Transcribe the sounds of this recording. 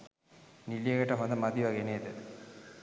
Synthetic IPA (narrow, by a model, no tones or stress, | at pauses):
nilijəɡəʈəɦond̪əmad̪iʋaɡeneːd̪ə